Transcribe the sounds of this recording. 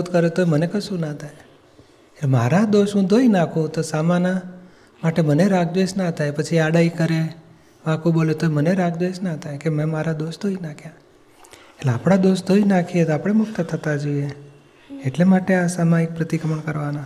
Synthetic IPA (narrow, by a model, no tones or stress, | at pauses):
ud̪kəɾet̪oemənekəʃũnat̪ʰaj | elema̰ɾad̪oʃɦũd̪ʱoinakʰũt̪osamana | maʈeməneɾaɡd̪ʋeʃnat̪ʰajpət͡ʃʰiaɽaikəɾe | ʋãkũbolet̪oeməneɾaɡd̪ʋeʃnat̪ʰajkemɛ̃maɾad̪oʃd̪ʱoinakʰja | eʈlea̰pɽ̃ad̪oʃd̪ʱoinãkʰiet̪oapɽ̃emʊkt̪ət̪ʰət̪ad͡ʒoieː | ʈlemaʈeasamãek̚pɾət̪ikəməɳkəɾʋana